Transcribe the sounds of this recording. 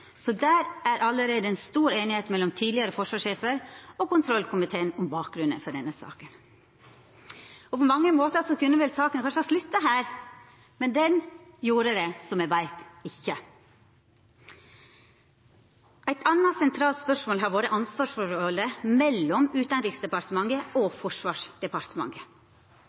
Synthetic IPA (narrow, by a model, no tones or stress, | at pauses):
sɔd̪æːɾæɾʔɑlːəɾeːd̪əɛnst̪uːɾeːnɪheːt̪mɛlːɔmt̪ʰiːd̪lɪəɾəfɔʂʋɑːʂeːfəɾɔkʊnt̪ʰɾɔlkʊmɪt̪ʰeːənʊmbɑːk̚ɡɾʉnːə̰fɔɖɛnːəsɑ̰ːkən | ɔpɔmɑŋːəmoːt̪əsɔkʉnːəʋɛlsɑːkənkʰɑnʂəhɑʂlʉt̪ːɑɦæːɾ | mɛnd̪ɛnjuːɾəd̪ɛsɔmæʋæɪt̪ɪçːə | ʔæɪt̪ʰɑnːɑsɛnt̪ʰɾɑːlt̪spœʂmoːlɦɑɾboːd̪əʔɑnsʋɑːʂfɔɾɔləmɛlːɔmʉːt̪ɑnɾiːksd̪ɛpɑɾt̪əmɑŋəɔfɔʂʋɑːʂd̪ɛpɑɾt̪əmɑ̰ŋə